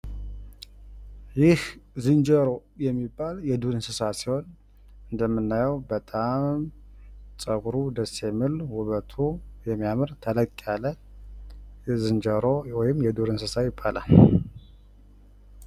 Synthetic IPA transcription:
jɪhzɨnd͡ʒəɾo̞jɛmːibːaljɛd̪uɾɨnsɨsasiho̞n | ɨnd̪əmːɨnːajəwbət̪ʼam | sʼəɡuɾud̪əsemɨlwuβət̪ʰujɛmːijamɨɾt̪ʰələkʼːalːə | zɨnd͡ʒəɾowɔjɪmːjɛd̪uɾɨnsɨsajɪbːala̰l

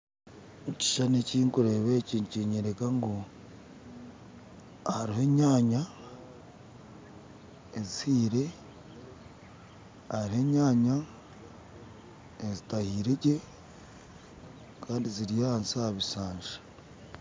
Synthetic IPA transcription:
muci̥ʃaneciːŋkuɾeβeciɲciɲeɾekaŋɡo | haɾihe̞ːɲaːɲa | zihiːɾe̞ | aɾihe̞ːɲaːɲa | ezitahiːɾeɟe̞ | kʰaːndiziɾijaansahaβisaːɲʒḁ

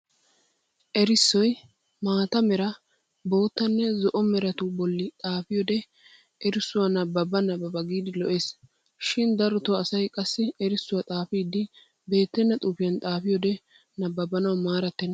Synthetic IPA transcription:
ʔɛɾɪsːɔj | maːt̪ɐmɛɾɐ | bo̞ːt̪ːɐnːɛzɔʔɔmɛɾɐt̪ʊbɔlːɪt̪ʼaːfɪjɔd̪ɛ | ʔɛɾɪsːʊwɐnɐbɐbɐnɐbɐbɐɡiːd̪ɪlɔʔeːs | ʃɪnd̪ɐɾɔt̪ɔɐsɐjkʼɐsːɪɛɾɪsːʊwɐt̪ʼaːfiːd̪ɪ | be̞ːt̪ːɛnːɐt̪ʼʊpɪjɐnt̪ʼaːfɪjɔd̪ɛ | nɐbːɐbɐnɐwɐmaːɾɐt̪ːɛn

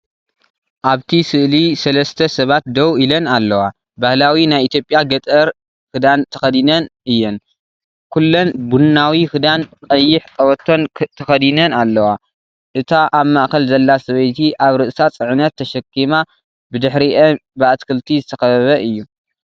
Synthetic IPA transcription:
ʔaβt̪ʰisɨʔlisɐlɐst̪ʰɐsɐβat̪̚d̪ɐwilɐnalːɐwa | bahlawinajit̪ʰjo̞pʼjaɡɐt̪ʼɐɾ | kɨd̪ant̪ʰɐxɐd̪inɐnʔɨjːɛn | kʰulːonbunːawixɨd̪ankʼɐjːɪħkʼɐwɐt̪ʰːo̞nt̪ʰɐxɐd̪inɐnalːɐwa | ʔɨt̪ʰaʔaβmaʔkɐlzɐlːasɐβɐjt̪ʰiʔaβɾɨʔɨsat͡sʼɨʕɨnɐt̪ʰːɐʃɐkʰːima | bɨd̪ɨħɾiʔɐbɨat̪kʰɨlt̪ʰizɨt̪ʰɐxɐβɐβɐʔɨjːu

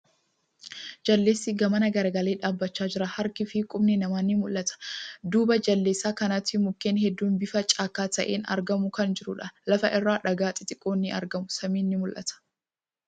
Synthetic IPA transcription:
d͡ʒɐlːe̞ːsːɪɡɐmɐnɐɡɐɾɐɡɐle̞ːᶑaːbːɐt͡ʃːaːd͡ʒɪɾɐhɐɾkɪfɪkʼʊmnɪnɐmaːnːɪmʊlːɐt̪ɐ̥d̪uːbɐd͡ʒɐlːeːsːaːkɐnɐt̪ːɪmʊkːeːnhɛd̪ːuːnbɪfɐt͡ʃʼaːkːaːt̪ɐʔeːnɐ̰ɾɡɐmʊkɐnd͡ʒɪɾʊᶑɐlɐfɐʔɪrːaːᶑɐɡaːt̪ʼɪt̪ʼɪkʼːoːnːɪʔɐ̰ɾɡɐmʊsɐmiːnːɪmʊlʔɐ̰t̪ɐ̥

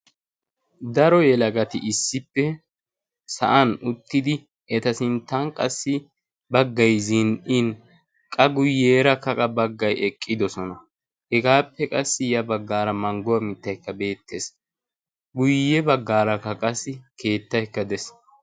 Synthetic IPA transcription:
d̪ɐɾɔjɛlɐɡɐt̪ɪʔɪsːɪpːɛ | sɐ̰ʔɐnʊt̪ːɪd̪ɪ | ɛt̪ɐsɪnt̪ːɐnkʼɐsːɪ | bɐɡːɐjzɪnɪn | kʼɐɡʊjːeːɾɐkːɐkʼɐbɐɡːɐjɛkʼːɪd̪ɔsɔnɐ | hɛɡaːpːɛkʼɐsːɪjɐbɐɡːaːɾɐmɐŋɡʊwɐmɪt̪ːɐjkːɐbe̞ːt̪ːes | ɡʊjːɛbɐɡːaːɾɐkːɐkʼɐsːɪkʰe̞ːt̪ːɐjkːɐd̪ɛs

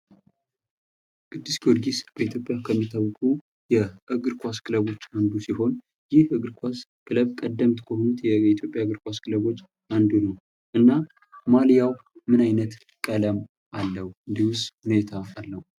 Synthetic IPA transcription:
kʰʼɨd̪ːɨsɡoɾɡisb̥əit̪ʰjo̞pʼjakʰəmːit̪ʰːəβkʼu | jɛʔɨɡɨɾkʷaskʰɨləβo̞t͡ʃːand̪usiho̞n | jɪhɨɡɨɾkʰʷaskʰɨləβkʼəd̪ːəmt̪kʰəhonut̪jɛit̪ʰjo̞pʼːjaɡɨɾkʰʷʼaskʰɨləβo̞t͡ʃː | ʔand̪unəw | ʔɨnːa | maljawmɨnajnət̪ | kʼələm | ʔalːəhuɨnd̪ihwʊst̪hune̞t̪ʰaːlːəwu

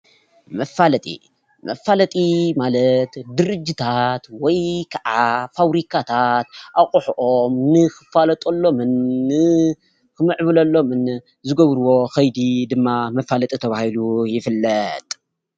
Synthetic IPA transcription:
mɐfalɐt̪ʼḭ | mɐfalɐt̪ʼimalɐt̪d̪ɨɾɨd͡ʒːit̪ʰat̪wɔjkʰɐʕafaβɾikʰat̪ʰat̪ʔaχʼuħʔomnɨxɨfalɐt̪ʼolːo̞mɨnːɨ | kɨmɨʕβɨlɐlːo̞mɨn | zɨɡɐβɾɨwo̞xɐjd̪id̪ɨmːamɐfalɐt̪ʼit̪ʰɐβahilujɪfɨlːɐt̪ʼ

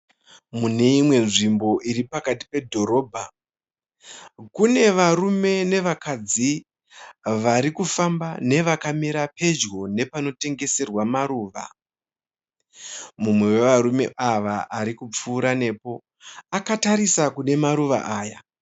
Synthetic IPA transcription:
mune̞imwe̞nʐimbo̞ʔiɾipakati̥pe̞dʱo̞ɾo̞ːbʱa | kune̞ʋaɾume̞ne̞ʋakad͡zi | ʋaɾikufambane̞ʋakamiɾape̞d͡ʒɣo̞ne̞pano̞te̞ŋɡe̞se̞rwamaɾuːʋa̰ | mumwe̞we̞ʋaɾume̞̰ʔaʋaʔaɾikup͡fuːɾane̞ːpo̞ | akataɾisakune̞maɾuʋa̰ʔaːja

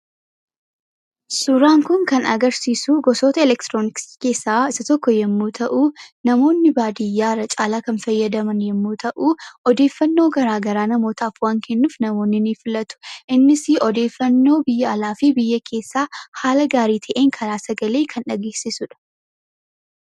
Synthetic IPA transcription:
sʊɾaːŋkʊŋkɐnɐ̰ɡɐɾsiːsuɡɔsoːt̪ɐɪlɛkt̪ɾoːnɪkske̞ːsːaːɪsɐt̪ɔkːɔjɛmːuːt̪ʰɐʔuːnɐmo̞ːnːɪbaːd̪ɪjːaːrɐt͡ʃʼaːlaːkɐnfɐjːɐd̪ɐmɐnjɛmːuːt̪ɐʔuːɔd̪e̞ːfːɐnːoːɡɐɾaːɡɐɾaːnɐmo̞ːt̪ʰaːfwaːŋkʰɛnːuːfnɐmo̞ːnːɪniːfɪlɐt̪ʊ̥ʔɪnːɪsɪɔd̪e̞ːfːɐnːo̞ːbɪjːɐɐlaːfɪbɪjːɐkʰe̞ːsːaːhaːlɐɡaːɾiːt̪ʰɐʔeːŋkʰɐɾaːsɐɡɐle̞ːkʰɐnᶑɐɡeːsɪsʊᶑɐ̥

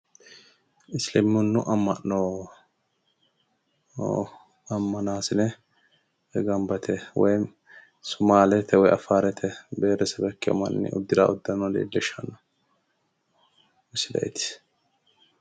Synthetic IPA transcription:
ɪslɛmʊnːʊʔɐmːɐʔoː | ɐmːɐnaːsɪnɛ | ɡɐmbɐt̪ʰɛwɔj | sʊmaːlɛt̪ʰːɛwɔjɐfaːɾɛt̪ʰɛbeːɾɛsɛbɛkːɪɔ̰mɐ̰nːɪ̰ʊ̰d̪ːɪd̪a̰ɔd̪ːɐnɔd̪ḛːd̪ːɛʃɐnɔ | ɪsɪd̪ɐ̰ʔɛ̰t̪ɪ̥s

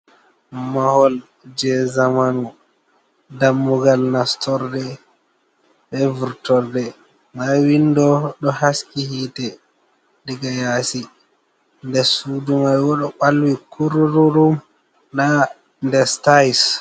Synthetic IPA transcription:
mahɔl | d͡ʒɛzamanu | damːuɡalnastɔɾdɛ | ɓɛvuɾtɔɾdɛ | mawindɔɗɔhaskihitɛ | diɡajasi | ndɛsudumajwɔɗɔɓalwikʰuɾuɾuɾum | ɗa | ndɛstajs

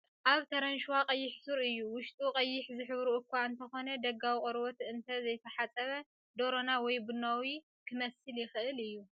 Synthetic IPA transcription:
ʔaβt̪ʰɐɾɐnʃwaqʼɐjːɪħsuɾɨjːuwʊʃt̪ʼuqʼɐjːɪħzɨħɨβɾuʔʊkʰʷːaɨnt̪ʰɐxo̞nɐd̪ɐɡawikʼɔɾwot̪ɨnt̪ʰɐzɐjt̪ʰɐħat͡sʼɐβɐ | d̪o̞ɾo̞nawɔjbɨnawi | kʰɨmɐsɨljɪxɨʔɨlɨjːu

